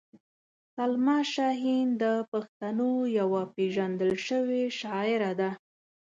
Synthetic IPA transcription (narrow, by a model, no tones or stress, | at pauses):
salmɑʃɑɦind̪əpaxt̪anojawapeʒand̪əlʃəweʃɑɪɾad̪a